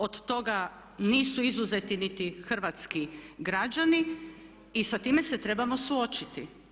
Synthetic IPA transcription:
od̪t̪o̞ɡa | niːsuizuzet̪init̪ixr̩ʋat̪skiɡɾad͡ʒaniː | sat̪iːme̞se̞t̪ɾe̞bamo̞suo̞t͡ʃit̪i

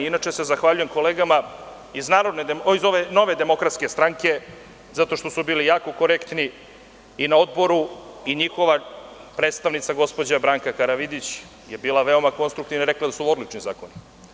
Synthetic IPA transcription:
inat͡ʃesezaxʋaʎuje̞mko̞leːɡama | iznaːɾod̪ned̪izo̞ʋeno̞ʋe̞d̪e̞mo̞kɾat̪ske̞st̪ɾaŋke̞ | zat̪o̞ʃt̪o̞subiːlijaːko̞ko̞ɾekt̪ni | inao̞d̪bo̞ɾuiɲixo̞ʋapɾe̞ːt̪st̪aʋnit̪saɡo̞spo̞d͡ʑabɾaːŋkakaɾaʋid̪it͡ɕ | je̞biːlˠaʋe̞o̞mako̞nst̪ɾukt̪iʋnaiɾe̞klˠad̪asuo̞d̪lit͡ʃniza̰ːko̞ni

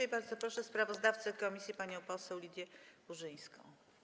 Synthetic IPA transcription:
ajbaɾd̪zɔpɾɔʂɛspɾavɔzd̪aft̪sɘkɔmʲisʲjipaɲɔ̃w̃pɔsɛwlʲid̪ʲjɛuʐɘj̃skɔ̰̃w̃

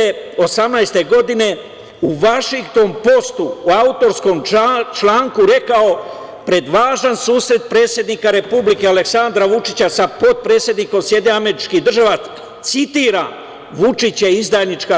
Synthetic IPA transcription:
eo̞samnajst̪e̞ɡo̞d̪ine̞ | uʋaʃiŋkt̪o̞mpo̞st̪uːaut̪o̞ɾsko̞mt͡ʃlaːŋkuɾe̞kao̞ | pɾe̞d̪ʋaːʒansuːsɾe̞t̪̚pɾe̞ːt̪sje̞d̪nikaɾe̞publike̞aleksand̪ɾaʋut͡ʃit͡ɕasapo̞d̪̚pɾe̞ːt̪sje̞d̪niko̞msje̞d̪eame̞ɾit͡ʃkid̪r̩ʒaʋa | t̪sit̪iːɾa | ʋut͡ʂit͡ɕeizd̪aːjnit͡ʃka

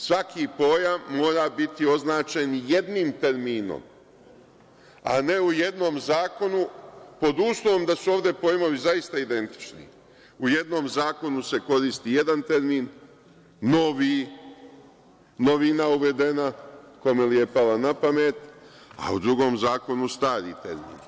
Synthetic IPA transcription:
sʋakipo̞jaʋmːo̞ːɾaːbit̪io̞znaːt͡ʃe̞nje̞d̪niːmt̪e̞ɾmiːno̰m | a̰ne̞uje̞d̪no̞mzaːko̞nupo̞d̪uːslˠoʋo̞md̪asuoːʋd̪e̞po̞jmo̞ʋizaist̪aid̪e̞nt̪i̥t͡ʃnḭ | uje̞d̪no̞ːmzaːko̞nuse̞ko̞ɾist̪ije̞d̪ant̪e̞ɾmiːnː | o̞ʋi | no̞ʋinauʋe̞d̪e̞nako̞melije̞palanapame̞t̪a̰ṵd̪ɾuɡo̞ːmzaːko̞nust̪aːɾḭt̪e̞̰ɾmḭːn

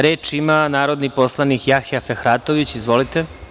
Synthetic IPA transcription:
ɾeːt͡ʃimanaːɾo̞d̪nipo̞slˠanikjaxafexɾaːt̪o̞ʋit͡ɕizʋo̞lit̪e

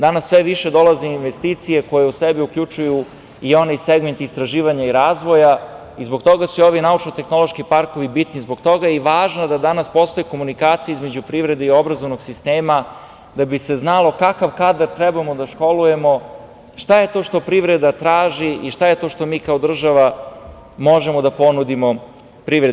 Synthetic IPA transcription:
d̪anasːʋeʋiʃe̞d̪o̞lazeinʋest̪it̪sije̞ko̞jeusebiukʎut͡ʃuju | io̞neseɡment̪ist̪ɾaʒiːʋaɲaiɾaːzʋo̞ja | izbo̞ɡt̪o̞ɡasuio̞ʋinaut͡ʃnot̪e̞xno̞lo̞ʃkipaɾkoʋibit̪nizboɡt̪o̞ɡajiʋaːʒnad̪ad̪anaspo̞st̪o̞jiko̞munikaːt̪sijaizme̞d͡ʑupɾiʋɾe̞d̪eio̞bɾazo̞ʋno̞ɡsist̪eːma | d̪abise̞znalˠo̞kakaʋkaːd̪aɾt̪ɾɛbamod̪aʃko̞luje̞mo̞ | ʃt̪aje̞t̪o̞ːʃt̪o̞pɾiʋɾe̞d̪at̪ɾaːʒiʔiʃt̪ajet̪o̞ːʃt̪o̞miːkao̞d̪r̩ʒaʋa | mo̞ʒemo̞d̪apo̞nud̪imo̞ | pɾiʋɾe

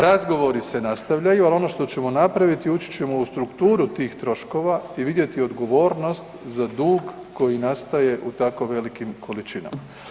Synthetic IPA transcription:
ɾazɡo̞ʋo̞ɾise̞nast̪aʋʎajualˠo̞no̞ʃt̪o̞t͡ɕe̞mo̞napɾaʋit̪iut͡ʃi̥t͡ɕe̞mo̞ust̪ɾukt̪uːɾut̪iːxt̪ɾo̞ʃko̞ʋaiʋid̪je̞t̪io̞d̪ɡo̞ʋo̞ːɾno̞st̪zad̪uːɡ | ko̞jinast̪aje̞ʔut̪ako̞ʋe̞likimkʰo̞lit͡ʃina̰ma

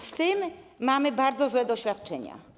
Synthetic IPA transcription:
st̪ɪmːamɘbaɾd̪zɔzwɛd̪ɔɕfʲjat̪̚t͡ʂɛɲa̰

